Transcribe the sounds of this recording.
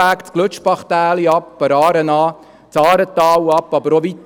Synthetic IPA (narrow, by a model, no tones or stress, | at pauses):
æːkt͡skløt͡ʃpɑχt̪æːliɑppəɾɑːɾənɑː | t͡sɑːɾət̪ɑːwɑpːɑbəɾoʋit̪